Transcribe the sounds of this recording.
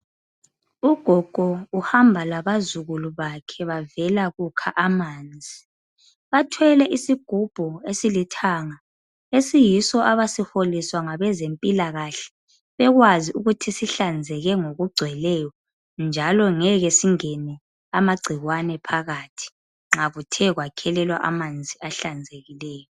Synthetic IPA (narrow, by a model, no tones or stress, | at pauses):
uɡ̥ʱɔɡ̥ʱɔuhambʱalaβazuɣuluβakʰɛβavɛlaɣukʰa̰ʔamaːnd͡zʱi | βatʰwɛlɛʔisiɡ̥ʱub̥ʱuesilitʰaːŋa | esijisɔʔaβasiholiswaŋaβɛzempʼilaɣaɬɛ̥ | βɛɣwaziuɣutʰisiɬand͡zʱɛɣɛŋoɣuɡ͡ǀʱwɛlɛjɔ | nd͡ʒʱalɔŋɛɣɛsiŋɛnɛ | amaɡ͡ǀʱiɣwanɛpʰaɣatʰi̥ | ŋ͡ǁaɣutʰɛɣwakʰɛlɛlwa̰ʔa̰mand͡zʱiʔaɬand͡zʱeɣilɛːjɔ